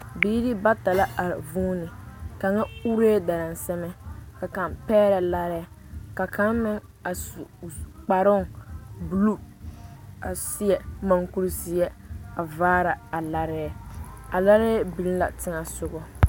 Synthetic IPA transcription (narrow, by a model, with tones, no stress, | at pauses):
biː˦dɪ˦ba˦ta˨la˦ʔa˨vuː˦nɪ˨ka˨ŋa˦u˦ɾeː˦da˨ɾa˨n˨sɛ˦mɛ˦ka˨ka˨mpɛː˦ɾa˨la˦ɾɪ˦ | ka˨ka˦mmɪ˦ŋ | a˨sk͡pa˨ɾɔ˦ŋ˨bu˨lu˦ | a˨si˦ɛ˨ma˨ŋku˦ɾsɪ˦ɛ˦a˨vaː˦ɾa˨a˨la˦ɾɪ˦˨ | a˨la˦ɾɪ˦ɛ˦bi˨lla̰˨tɪ˦ŋa˨sʊ˦ɣɔ˦